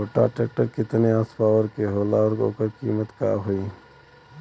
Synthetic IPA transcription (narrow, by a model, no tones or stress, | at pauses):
oʈa̰ʈeːk̚ʈəɾkɪt̪neaːspaːʋəɾkeɦoːlaːɔɾo̰ːkəɾkiːmət̪ka̰ːɦʊiː